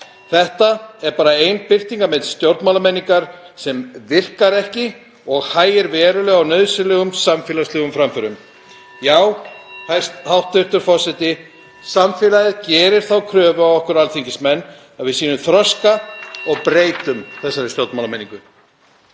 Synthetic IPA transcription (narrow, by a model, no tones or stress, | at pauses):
θɛht̪aɛɾpaːɾaejnpɪr̥t̪iŋkamɛnst̪jowɾt̪maːlamɛnːiŋkaɾ̥ | sɛmvɪr̥kaɾɛhcɪ | ɔɣhaːjɪɾvɛːɾʏlɛɣawnœðsʏlɛːɣʏmsamfɛːlaslɛɣʏmfɾamfœɾʏm | jaːwhajst̪hawht̪ʏht̪ʏɾfɔr̥sɛt̪ɪ | samfɪːlaɪðcɛːɾɪɾ̥θawkʰɾœːvʏavɔhkʏɾalθiɲcɪsmɛnː | aðvɪðsiːnʏmθɾɔskaɔɣpɾeːjt̪ʏmθɛsːaɾɛɾ̥st̪jowɾt̪malamɛniŋkʏ